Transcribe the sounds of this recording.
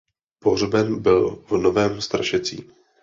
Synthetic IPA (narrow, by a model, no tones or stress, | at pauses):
por̝bɛnbɪlvno̞vɛːmst̪ɾaʃɛt͡sḭː